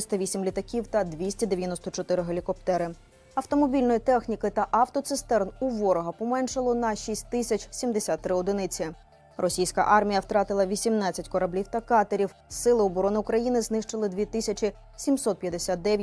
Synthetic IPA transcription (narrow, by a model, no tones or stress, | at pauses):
sʲt̪ɐʋʲisʲimlʲit̪ɐkʲiwt̪ɐd̪ʋʲisʲtʲɐd̪eʋʲjɐnɔst̪ɔt͡ʃɔt̪ɪɾɪɦelʲikɔp̚t̪ɛɾɪ | ɐwt̪ɔmɔbʲilʲnɔjit̪ɛxnʲikɪt̪ɐʔɐwt̪ɔt̪sɪst̪ɛrnuʋɔɾɔɦɐpɔmɛnʃɪlˠɔnɐʃisʲt̚ʲt̪ɪsʲɐt͡ʃʲsʲimd̪esʲat̪ːɾɪɔd̪ɪnɪt͡sʲɪ | rʔɔsʲijsʲkɐ̰ʔɑrmʲijɐwt̪ɾɑt̪ɪlˠɐʋʲisʲimnɑt͡sʲːɐtʲkɔɾɐblʲiwt̪ɐkɑt̪eɾʲiw | sɪlˠɪɔbɔɾɔnɪʊkɾɐjinɪznɪʃt͡ʃɪlˠɪd̪ʋʲit̪ɪsʲɐt͡ʃi | sʲimsɔt̪̚pʲjɐd̪esʲat̪̚d̪ɛʋj